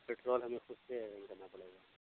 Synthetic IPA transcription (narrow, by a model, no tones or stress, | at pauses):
peːʈɾoːlɦɐmẽxʊsseɛɾɛ̃ŋkɐnapɐɽ̤eːɡaː